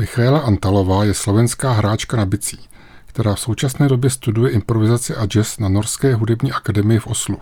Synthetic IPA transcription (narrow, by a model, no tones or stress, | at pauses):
mɪxaɛlaʔant̪alo̞vaːjɛslo̞vɛnskaːɦɾaːt͡ʃkanabɪt͡si̥ː | kt̪ɛɾaːfso̞wt͡ʃasnɛːdo̞bjɛst̪udujɛʔɪmpɾo̞vɪzat͡sɪʔad͡ʒɛsnano̞ɾskɛːɦudɛbɲiːʔakadɛmɪjɪfʔo̞slu